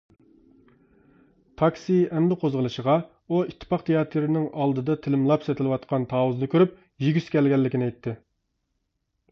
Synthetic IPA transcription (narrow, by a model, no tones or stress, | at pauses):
t̪ʰɑksiɛnd̪ɨqʰozʁəlˠɨʃəʁɑ | uit̪ʰːɨ̥pɑqt̪ʰejɑːt̪ʰɨɾɪnɪŋʔɑlˠd̪ɨd̪ɑt̪ʰɪlɪmlˠɑpsɛt̪ʰɪlɨwɑt̪̚qʰɑnt̪ʰɑːwɨznɨkʲʰøɾyp̚ | jiɡʲyskʲɛlɡʲɛlːɪkʲinɛjt̪ʰːɪ